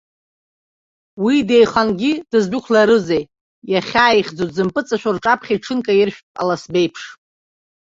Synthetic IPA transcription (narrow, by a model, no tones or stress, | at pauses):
wide̞jχanɡʲidɨzbʷʊkʷʰlaɾɨzej | jaχʲaːiχʲd͡zotʼzɨmpʼɨt͡sʼaʃʷᶣarʈ͡ʂʼapʰχʲiʈ͡ʂʰɨnkʼajɪrʃᶣpʼa̰lasbe̞jpʰʂ